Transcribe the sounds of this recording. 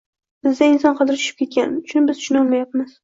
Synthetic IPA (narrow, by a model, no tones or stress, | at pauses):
bɪzd̪aɪnsɒnqʰɑd̪ɪɾɪt͡ʃ̪ʰʊ̥ʃɪ̥p̚kʲe̞t̪̚kʲanʊt͡ʃʰʊnbɪzʃʰʊnɒlˠmajapmɪz̥